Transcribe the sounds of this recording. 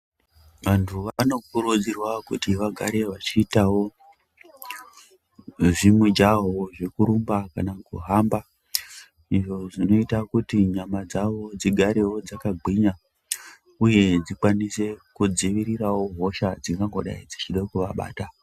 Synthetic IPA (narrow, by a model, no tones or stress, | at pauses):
ʋantʰuʋano̞kuɾud͡zirwakutiʋaɡʱaɾe̞ʋat͡ʃiːtawo̞ | ʐimud͡ʒaɦoʐe̞kuɾumbakanakuɦamba | iʐo̞ʐino̞itakutiɲamad͡zaʋo̞d͡ziɡʱaɾe̞wo̞d͡zakaɡʱiɲa | uje̞d͡zikwanise̞kud͡ziʋiɾiɾawo̞ɦo̞ʃad͡ziŋɡaŋɡo̞ɗa̰id͡zit͡ʃiɗakuʋaɓa̰ːta